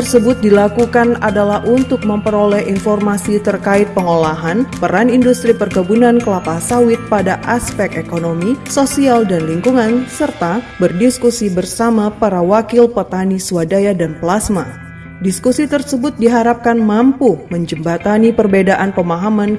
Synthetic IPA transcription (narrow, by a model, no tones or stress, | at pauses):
ərsəbʊt̪̚dilakukanadalahʔunt̪ʊk̚məmpəɾolɛhinfɔrmasit̪ərkaɪt̪̚pəŋolaɦanpəɾanindust̪ɾipərɡabunankəlap̪asawɪt̪̚padaʔaspɛkekonomisosialdanliŋkuŋansərt̪abərdiskusibərsamapaɾawakɪlpət̪anisuadajadanplasma | diskusit̪ərsəbʊt̪̚diɦaɾap̚kanmampuməɲd͡ʒəmbat̪anipərbedaʔanpəmaɦaman